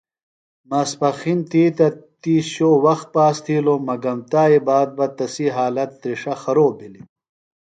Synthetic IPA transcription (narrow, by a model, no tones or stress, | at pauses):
mɐspɐxint̪iːt̪ɐt̪iːɕoːwɐxt̪̚paːst̪ʰiːlomɐɡɐmt̪aːibaːd̪̚bɐt̪ɐsiɦaːlɐt̪ːɾiʂɐxɐɾoːbili